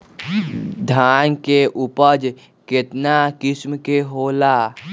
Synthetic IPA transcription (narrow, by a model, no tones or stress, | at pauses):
d̪ʱaːnkeʔʊpəd͡ʒ | kɪt̪nakɪsmkeɦoːlaː